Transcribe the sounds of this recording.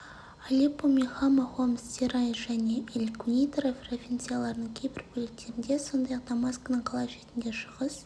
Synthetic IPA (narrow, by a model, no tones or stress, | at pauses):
alʲipomʲeχɑmɑχomst̪ʲeɾɑjʒ̥æne̞ʔelʲkʲʰunʲijt̪ɾofʲrovʲint̪sijalˠɑɾənəɴkʲʰe̞jbɪɾbʰɵlek̚t̪e̞ɾɪnd̪e̞so̞nd̪ɑjɑq̚d̪amɑskanəɴqʰɑlˠɑʃe̞t̪ɪnd̪e̞ʃəʁəz